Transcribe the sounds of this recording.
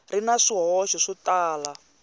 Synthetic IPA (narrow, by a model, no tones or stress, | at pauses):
rinaʂiɦɔʃɔʂitaːla